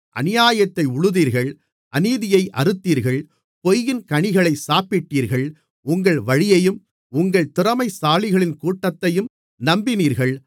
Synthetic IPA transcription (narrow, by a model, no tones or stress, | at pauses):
ʔɐ̰nɪjaːjɐt̪ːɐɪʊɻɯðiːɾɣɐɭ | ʔɐniːðɪjɐɪʔɐɾɯt̪ːiːɾɣɐɭ | pɔjːɪnkɐɳɪɣɐɭɐɪsaːpɪʈːiːɾɣɐɭ | ʊŋɡɐɭʋɐɻɪjɐjɯm | ʊŋɡɐɭt̪ɪrɐmɐɪsaːɭɪɣɐɭɪnkuːʈːɐt̪ːɐjɯm | nɐmbɪniːɾɣɐɭ